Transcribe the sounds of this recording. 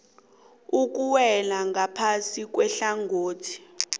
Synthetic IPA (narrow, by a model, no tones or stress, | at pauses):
uk̬ʼuwɛlaŋapʰasik̬ʼwɛɬaŋʱoːtʰi̥